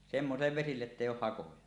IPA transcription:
semːosilːeʋ ʋesilːeʔ ʔetːeˑijˑ oːh hɑkojɑ

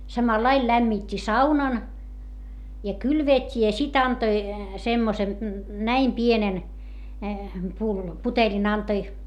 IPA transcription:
sɑmɑlɑil læmːitʲːi sɑunɑn jɑ kylʋeːtʲːi jɑ sit ɑntoi semːosen næim pienen pulːo putelʲin ɑntoi

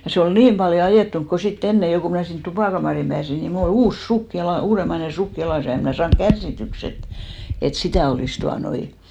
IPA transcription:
jɑ se ol niːm pɑljo ɑjeˑtːuŋk ko sitː enːe jo ku mnæˑ sint tupɑˑkɑmɑˑrihim pæːsi ni mul ol uːs suk jɑlɑ uːremɑine suk jɑlɑˑs jɑ em mnæˑ sɑːŋk kærsːityks et et sitæˑ oliˑs tuɑnoi

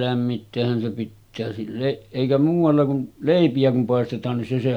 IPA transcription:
læmːitːeːhːæn se pitːæː silːeʔ ʔeˑikæ muːʋˑɑlːɑ kun leˑipiæ kum pɑˑestetˑɑːn nin se se

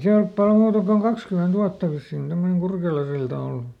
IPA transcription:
se olp pɑl muːtɑ koŋ kɑkskyment uɑtːɑ ʋisːiːn semːoneŋ kurkelɑsiltɑ olːu

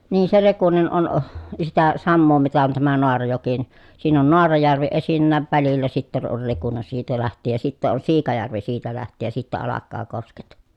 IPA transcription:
niː se rekunen on sitæ sɑmːoː mitæ on tæmæ noɑrɑjoki ni siːn on noɑrɑjærʋi esinːæːʋ ʋælilːæ sitːen on rekune siːtæ læhtˑiːj jɑ sitːeʔ ʔon siːkɑjærʋi siːtæ læhtˑiːj jɑ sitːæ ɑlɑkːɑː kosket

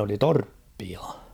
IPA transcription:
oli torpːiɑ

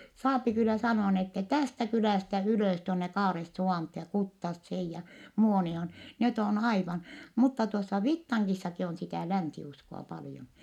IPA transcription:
sɑːpi kylˑæ sɑnoɑ n etːɛ tæstæ kylæˑstæ yløˑs tuonːe kɑːresːuʋɑˑnthoː jɑ kutːɑsːeːj jɑ muonioːn net on ɑiʋɑn mutːɑ tuosːɑ ʋitːɑŋkisːɑki on sitæˑ lænsiuskoɑ pɑljon

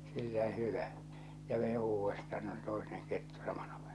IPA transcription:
silːæ hyʋæ jɑ ʋei uːʋːestɑ no se toineŋ ketːu sɑmɑn̥ɑ̥

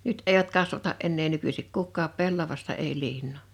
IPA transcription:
nyt eˑiʋæt kɑsʋɑtɑʔ ʔenːeː nykysik kukːɑːp pelːɑʋɑstɑ ei liːnːoˑ

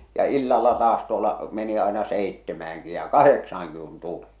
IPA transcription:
jɑ ilːɑlːɑ tɑːs tuolːɑ meni ɑˑenɑ seˑitːemæːŋki jɑ kɑheksɑːŋki kun tuli

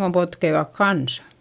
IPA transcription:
ɡ̊om potkeiʋɑk kɑnsɑ̥

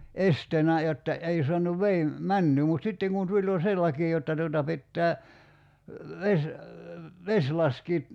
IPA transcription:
esteːnæ jotːɑ ei soɑnuʋ ʋei mænːyː mut sitːeŋ kun tulʲ jo se lɑki jotːɑ tuotɑ pitːæː ʋes ʋesʲ lɑskiːt

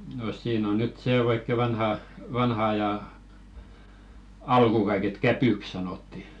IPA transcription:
no siːn on nyt seˑ oikːe ʋɑnhɑ ʋɑnhɑ ɑjɑˑ ɑlkuˑ kɑiket kæpyˑk sɑnoˑtːi

